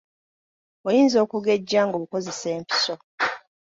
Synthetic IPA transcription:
ojiːnzo̞ːkuɡe̞ɟːaːŋɡoːβuko̞ze̞se̞ːmpi̥so̞

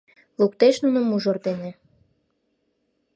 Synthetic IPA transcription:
luk̚t̪eʃnunəmuʒord̪enĕ

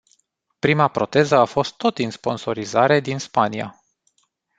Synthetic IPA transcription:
pɾimapɾo̞t̪e̞zəafo̞st̪ːo̞t̪inspo̞nso̞ɾizaɾe̞d̪inspania̰

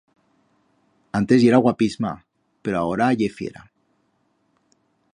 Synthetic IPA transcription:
ant̪e̞zʝe̞ɾaɣwapizma̰ | pe̞ɾoao̞ɾaʝe̞fjḛɾa̰

